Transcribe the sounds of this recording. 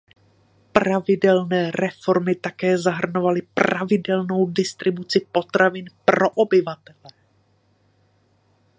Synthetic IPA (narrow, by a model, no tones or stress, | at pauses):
pɾavɪdɛlnɛːɾɛfo̞ɾmɪt̪akɛːzaɦr̩no̞valɪpravɪdɛlno̞wdɪst̪ɾɪbut͡sɪpo̞t̪ɾavɪnpɾo̞ʔobɪvat̪ɛlɛ